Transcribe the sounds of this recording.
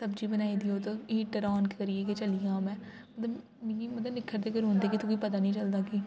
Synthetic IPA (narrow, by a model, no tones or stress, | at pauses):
səbd͡ʒiːbənaːiːd̪iːoːt̪oːiːʈəɾaːnkːkəɾieːket͡ʃəlijãːmɛ̃ː | mət̪ləb | mĩimət̪ləblɪkʰːəɾd̪eːɡəɾɦõːnd̪eːkɪt̪ʰũːkoːiːpət̪aːnĩːt͡ʃəld̪aːki